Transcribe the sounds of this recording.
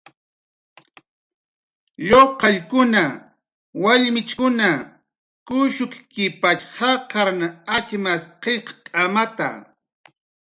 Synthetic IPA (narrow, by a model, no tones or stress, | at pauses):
ʎoqɑʎkʊna | waʎmɪt͡ʃkʊna | kʊʃʊkkɪpat͡ʃhɑqɑɾnaat͡ʃmasqeqkʼamat̪a̰